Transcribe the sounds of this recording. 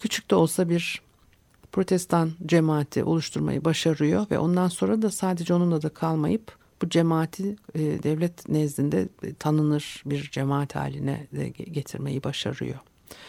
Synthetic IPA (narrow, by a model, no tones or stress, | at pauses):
cʰyt͡ʃʰy̥c̚ʲt̪ʰɛolˠsabiɾ | pʰɾo̞t̪ʰɛst̪ʰand͡ʒemaːt̪ʰḭʔo̞̰lˠuʃt̪ʰuɾma̰jɯbaʃaɾɯjo̞vɛ̰ʔo̞̰nd̪anso̞nɾad̪asaːd̪e̞d͡ʒɛo̞nunˠad̪akʰalˠma̰jɯp | b̥ud͡ʒemaːt̪ʰid̪ɛvlʲɛt̪nɛzd̪ʲind̪ɛ̰t̪ʰanɯnɯɾ̥biɾd͡ʒemaːat̪ha̰ːlʲːinɛ̰ɟe̞t̪ʰiɾme̞jibaʃa̰ɾɯ̰jo̞̰